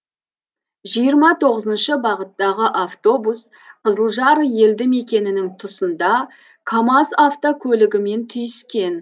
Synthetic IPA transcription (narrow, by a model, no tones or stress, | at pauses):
ʒijəɾmɑt̪ʰo̞ʁəzənʃəbɑʁət̪ːɑʁəʔaft̪o̞bus | qʰəzəlˠʒɑɾje̞ld̪ɪme̞kʲe̞nɪnɪŋt̪ʰʊsənd̪ɑ | kʰamasaft̪okʲʰɵlɪɡʲɪme̞nt̪ʰʏjʏskʲe̞n